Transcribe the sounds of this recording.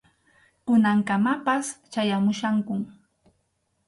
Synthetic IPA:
kʊnaŋkamapast͡ʃajamʊʃaŋkʊm

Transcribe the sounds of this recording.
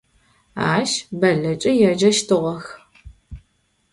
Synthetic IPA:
a̰ːʃbɐɮɐt͡ʃʼɪjɛd͡ʒɐʃtʰɨʁɐx

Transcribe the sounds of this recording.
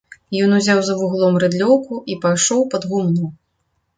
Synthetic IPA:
jɔnuzʲawzɐvuɣlˠɔmrɨd̪lʲɔwkuʔipajʂɔwpɐd̪ɣumnuw

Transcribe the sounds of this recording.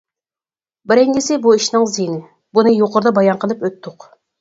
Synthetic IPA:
bɪɾɪŋɡʲɪsɪbuiʃnɨŋzijnɪ | bunɨjoqʊɾd̪ɑbɑjɑnqʰəlˠɨpøt̪ʰːʊq

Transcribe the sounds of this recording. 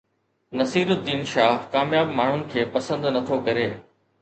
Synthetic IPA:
nɐsiːɾʊd̪iːnʃaːɦkaːmjaːbmaːɳ̤ʊnɪ̆kʰeːpɐsə̃nd̪nɐt̪ʰokɐɾeː

